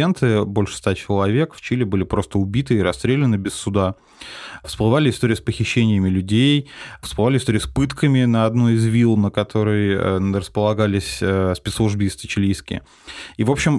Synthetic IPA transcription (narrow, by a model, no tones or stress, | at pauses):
ent̪ɨbo̞lʲʂɨ̥st̪at͡ɕɪlˠɐvʲe̞kft͡ɕilʲɪbɨlʲɪpɾo̞st̪əʊbʲit̪ɨːɾɐst̪ɾʲelʲɪnɨbʲɪsːʊd̪a | fsplˠɨvalʲɪɪst̪oɾʲɪjspəxʲɪɕːenʲɪjəmʲɪlʲʉdʲejfsplˠɨvalʲɪst̪oɾʲɪjʊspɨt̪kəmʲɪnəɐd̪nojɪzvʲilˠnəkɐt̪ʰo̞ɾɨjə̰ɾəspəlˠɐɡalʲɪsʲəspʲɛt̪slˠuʐbʲiːst̪ət͡ɕɪlʲijskʲɪ̰ɪ | ivo̞pɕːɪm